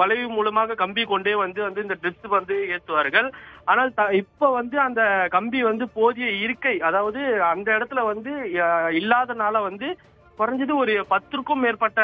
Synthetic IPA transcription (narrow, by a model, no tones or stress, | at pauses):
ʋɐlɐɪʋɯmuːlɐmaːɣɐkɐmbikɔɳɖeːʋɐnd̪ɯʋɐnd̪ɯɪnd̪ɐɖɪstɯʋɐnd̪ɯeːt̪ːɯʋaːɾɣɐɭaːnaːlt̪ɐɪpːoʋɐnd̪ɯɐnd̪ɐkɐmbiʋɐnd̪ɯpoːðɪjɐɪɾɯkːɐɪɐðaːʋɐðɯɐnd̪ɐɪɽɐt̪ːɪlɐʋɐnd̪ɯɪlːaːðɐnaːlɐʋɐnd̪ɯ | pʊɾɐɲd͡ʒɐðɯɔɾɯpɐt̪ːɯɾɯkːɯmːeːɾpɐʈːɐ